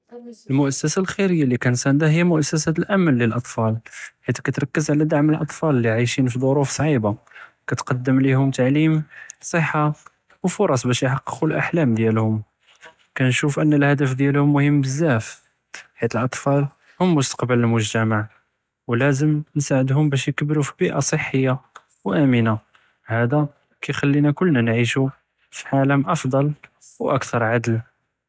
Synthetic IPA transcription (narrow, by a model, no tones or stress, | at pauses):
ʔəlmʊʔæsːæsalxiɾəjːalikænsænd̪æɦəjːæmʊʔæsːæsæt̪əlʔæməlːəlʔɑt̪ˤfɑlħit̪kæt̪ɾˤɑkːəzʕlæd̪aʕməlʔɑt̪ˤfɑlliʕajʃinfid̪ˤoɾufsˤʕiba | kæt̪qɑd̪ːəmlihʊmt̪aʕlimsˤəħːa | wfʊɾˤɑsˤbæʃjħɑqːə̥qulʔa̰ħlæmd̪jælhʊm | kænʃufʔənːəlhæd̪əfd̪jælhʊmːʊhəmːbəzːæf | ħit̪əlʔɑt̪ˤfɑl | hʊmːʊst̪ɑ̥qbələlmʊʒt̪æmaʕ | wlæzəmnsaʕəd̪hʊmbæʃ̬jkəbɾufibiʔasˤəħːəjːa | wʔæməna | hæd̪æ | kæjxælːinækʊlːnænʕiʃu | fiʕaləmʔɑfd̪ˤɑl | wʔə̰kt̪ʰɑɾˤʕad̪l